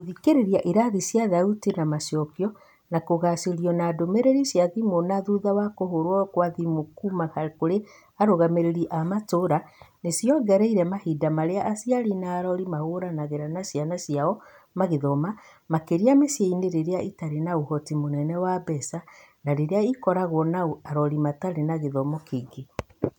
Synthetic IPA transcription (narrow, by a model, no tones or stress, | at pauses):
oðikeɾeɾiaʔiɾaðisjaðautinamaʃjɔkjɔ | nakoɣaseɾiɔnadomeɾeɾisjaðimonaðuðawakohoɾwɔkwaðimokumahaɾkoɾe | aɾoɣameɾeɾiʔamatoɾanesjɔɡɛɾɛiɾɛmahidamaɾeaʔːsiaɾinaːɾɔɾimahoɾanaɣeɾanasjanasjaɔ | maɣeðɔma | makeɾiamesjeineɾeɾeaitaɾenaohɔtimonɛnɛwabɛsa | naɾeɾeaikɔɾaɣwɔnaoaɾɔɾimataɾenaɣeðɔmɔkeɡe